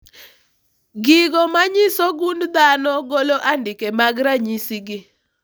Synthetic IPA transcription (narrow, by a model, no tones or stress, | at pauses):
ɡɪɡɔmaɲɪsɔɡund̪anɔɡoloʔandɪkemaɡɾaɲisiɡɪ